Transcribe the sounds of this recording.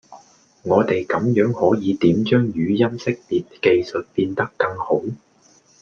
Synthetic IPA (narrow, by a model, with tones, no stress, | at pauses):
ŋɔː˨˧t̪e˨jkɐ˨˥mjœː˨˥ŋhɔː˨˥jiː˨˧t̪iː˨˥mt͡ʃœː˥ŋjyː˨˧jɐ˥msɪ˥k̚piː˨t̚ke˧jsɵ˨t̚piː˧nt̪ɐ˥kːɐ˧ŋho˨˥w